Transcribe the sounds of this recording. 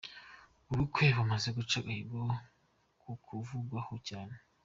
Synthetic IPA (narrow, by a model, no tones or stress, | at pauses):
uɾukweβamazeɡut͡ʃaɡahiɾɡo | kʰukʰuvuɡwahocaːne